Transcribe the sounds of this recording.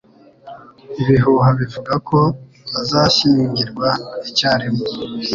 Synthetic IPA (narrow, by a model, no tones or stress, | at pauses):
iβiɦuɦaβivuɡakʰo̞ | βazaʃiːɲɟiɾɡwaicaːɾemo